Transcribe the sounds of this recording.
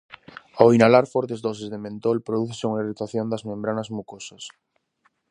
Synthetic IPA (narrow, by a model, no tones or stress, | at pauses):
ainalaɾfɔɾt̪ezd̪ɔsezðemẽnt̪olpɾoðuθeseuŋairit̪aθjond̪ɐzmẽmbɾanɐzmukosɐs